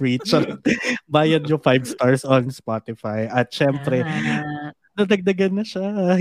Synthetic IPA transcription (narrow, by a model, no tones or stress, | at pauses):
ɹit͡ʃɐbaːjɐd̪̚ɲʊfajvst̪aɹsɔnspat̪ɪfajʔɐt̪̚ʃɛmpɾɛ | nɐd̪ɐɡ̚d̪ɐɡɐnːɐʃa